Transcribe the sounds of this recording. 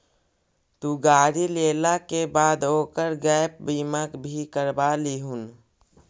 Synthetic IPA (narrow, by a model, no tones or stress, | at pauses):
t̪uɡaːɾileːlakebaːd̪oːkəɾɡɛjp̚biməkbʱikəɾbaliɦun